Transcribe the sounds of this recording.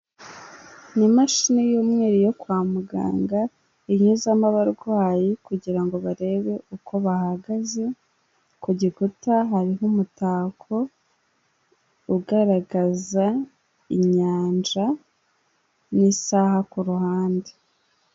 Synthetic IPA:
nimaʃinejoːmŋe̞ːɾijo̞kwaːmuɡa̰ːŋɡa | iɲuzamaβaɾɡwaːjikuɟiɾaŋɡo̞βaɾe̞ːβe̞ukʰo̞βahaɡaze̞ | kuɟikutaɦaɾihumutaːkʰo̞ | uɡaɾaɡaza | iɲaːnd͡ʒa | nisaːhakuɾuhaːnde

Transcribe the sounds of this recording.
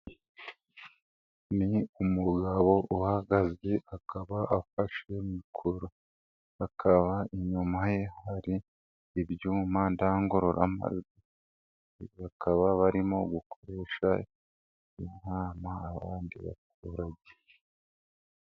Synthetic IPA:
niumuɡaβo̞ʔuhaɡazɡeakʰaβaʔafaʃemikʰoɾo | akʰaβaiɲumaje̞haɾiː | bjuːmandaŋɡo̞ɾo̞ɾʔa̰ma̰zɡi | βakʰaβaβaɾimo̞ɡukʰoɾe̞ːʃa | inaːmaːβaːndḭβa̰t̚uːɾaɟe

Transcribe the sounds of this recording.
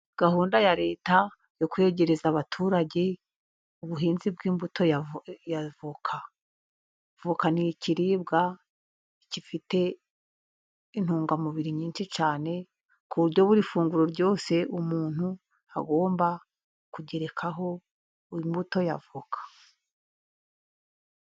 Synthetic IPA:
ɡ̥ahuːndajaɾe̞ːta | jo̞kwe̞ɟe̞ɾezaβatʰuːɾaɟe̞ | uβuɦiːnzibɡiːmbutʰo̞javukʰa | v̥ukaniciɾiːβ̚ɡa | icifite̞ | in̥huːŋɡamuβiɾiɲiːnʃit͡ʃaːne̞ | kuβuɾɟo̞βuɾifuːŋɡuɾo̞ɾɟo̞ːse̞ʔumuːn̥hu | a̰ɡo̞ːmba | kuɟe̞ɾe̞kʰaɦo̞ | imbuto̞javukʰḁ

